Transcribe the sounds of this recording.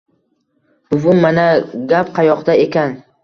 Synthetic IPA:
b̥ʊvʊmːanaɡʲapqʰɑjɒqd̪ae̞kʲan

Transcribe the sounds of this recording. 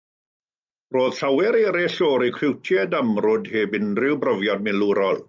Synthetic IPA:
roːð̥ɬawɛɾeːɾɛɬoːɾikʰrɪwtʰjɛdəmrʊdheːbɪnrɪwbrəvjɔd̚mɪluɾɔlˠ

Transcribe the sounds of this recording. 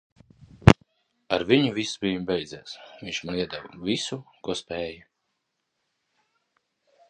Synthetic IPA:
aɾvʲiɲuvʲisbijumbɛjd̪zɛːsviɲʲt͡ʃmaniɛd̪ɛvɔvʲisukuɔspʲɛːjɐ

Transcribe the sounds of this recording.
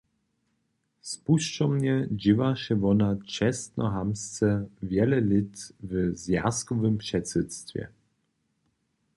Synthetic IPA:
spuʃt͡ʃɔmɲɛd͡ʑivaʃɛvɔnat͡ʃɛst̪nɔ̰ɦamst͡sɛvjɛlɛlɪt̪vəzja̰skɔvɘmpʂɛtsɛt̪st̪vʲjɛ̰

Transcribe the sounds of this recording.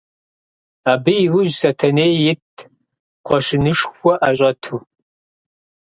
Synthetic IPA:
aːbɨjɪwʊʒsɐtʰɐneːjjɪt̚ʰ | qʷɔʃɪnɨʂxʷɔʔaɕʷʼɐtʰuː

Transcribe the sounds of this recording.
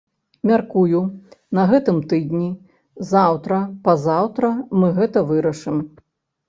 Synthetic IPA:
mʲarkujunɐɣɛt̪ɨmt̪ɨd̪ʲnʲi | zawt̪ɾɐpɐzawt̪ɾɐmɨɣɛt̪ɐvɨɾɐʂɨm

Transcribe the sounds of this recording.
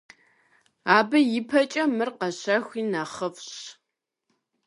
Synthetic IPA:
aːbɨjɪpʰɐt͡ʃʼɐmɨrqɐɕɐxʷiːnaχəfɕ

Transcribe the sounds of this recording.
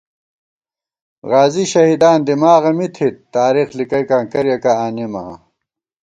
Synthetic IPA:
ʁaːziɕɐɦiːd̪aːnd̪imaːɣɐmit̪ʰit̪ːaːɾixlikɐjkaːŋkɐɾjɐkaaːnima̰

